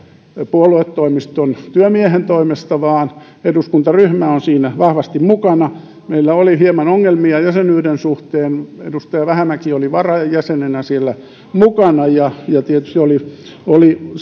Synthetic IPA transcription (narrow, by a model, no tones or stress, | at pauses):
puoluet̪ːoimist̪ont̪yømiehent̪oimest̪ɑʋɑːn | eduskunt̪ɑryhmæonsiːnæʋɑhʋɑst̪immukɑnɑ | meilːæolihiemɑnoŋːelmiɑjæsenyːdensuht̪eːnḛdust̪ɑjɑʋæhæmækioliʋɑrɑjæsenenæsielːæ | mukɑnɑjɑjɑt̪iet̪y̥st̪iolioli